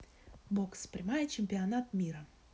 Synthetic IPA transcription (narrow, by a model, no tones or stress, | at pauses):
bokspɾʲɪmajət͡ɕɪmʲpʲɪɐnat̪mʲiɾə